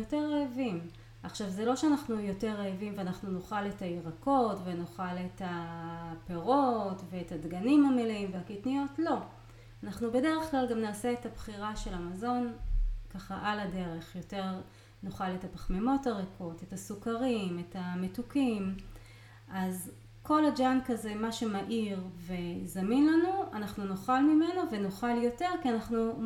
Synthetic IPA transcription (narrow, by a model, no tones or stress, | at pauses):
joteʁːeavim | ʔaχʃavzelo̞ʃeanaχnujo̞te̞ʁeavimveanaχnunoχaletaiʁako̞tvenoχaletape̞ʁo̞tve̞ːtadɡanimameleimveakitnijo̞tlo̞ | anaχnube̞deʁeχklalɡamnaːse̞ethabχiʁaʃe̞lamazo̞nkaχaʔalade̞ʁe̞χjo̞te̞ʁ | noχaletapaχme̞mo̞taʁeko̞te̞tasukaʁime̞tame̞tukim | ʔaz | ko̞lad͡ʒankaze̞maʃe̞maʔiʁve̞zaminlanuanaχnunoχalmime̞nove̞noχaljo̞te̞ʁkianaχnu